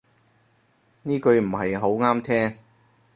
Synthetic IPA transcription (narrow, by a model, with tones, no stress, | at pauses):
niː˥kɵ˨˧ɥm̩˨˩hɐ˨jɦo˨˥wŋaː˥mt̪ʰɛː˥ŋ